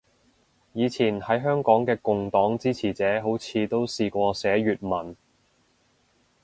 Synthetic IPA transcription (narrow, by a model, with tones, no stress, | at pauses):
jiː˨˧t͡sʰiː˨˩nhɐ˨˥jɦœː˥ŋkɔː˨˥ŋkɛː˧kʊ˨ŋt̪ɔː˨˥ŋt͡siː˥t͡sʰiː˨˩t͡sɛː˨˥ɦo˨˥wt͡sʰiː˨˧t̪o˥wsiː˨kʷɔː˧sɛː˨˥ɥyː˨t̚mɐ˨˩n